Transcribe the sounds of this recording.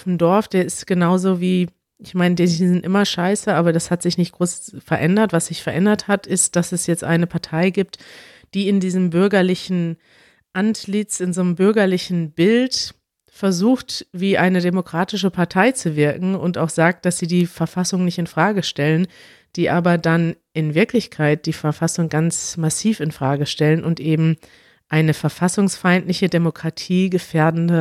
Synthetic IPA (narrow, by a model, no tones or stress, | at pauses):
fn̩dɔɐfd̥eːɐɪstɡ̥ənaʊzoːviː | ʔɪçmaɪndizɪntʔɪmɐʃaɪsəʔaːbɐdashatz̥ɪçnɪçt̚ɡ̥ʁoːsfɛɐʔɛndɐtv̥asz̥ɪçfɛɐʔɛndɐthatʰɪst̚d̥asɛsjɛt͡stʔa̰ɪnəpʰaɐtʰaɪɡiːp̚t | d̥iːɪndiːzəmbʏɐɡɐlɪçn̩ | ʔantlɪt͡sɪnzoːnəmbʏɐɡɐlɪçn̩bɪlt | fɛɐzuːxtv̥iːʔaɪnədemokʁ̥aːtɪʃəpʰaɐtʰaɪt͡suvɪɐkŋ̩ʊntaʊxz̥aːk̚t̚d̥asz̥iːdiːfɛɐfasʊŋnɪçtɪnfʁ̥aːɡəʃtɛlən | d̥iːʔaːbɐdan | ʔɪnvɪɐklɪçkʰaɪt̚d̥iːfɛɐfasʊŋɡant͡smasiːfɪnfʁ̥aːɡəʃtɛlənʊntʔeːbm̩ | ʔaɪnəfɛɐfasʊŋsfaɪntlɪçədemokʁ̥atʰiːɡəfeːɐdn̩də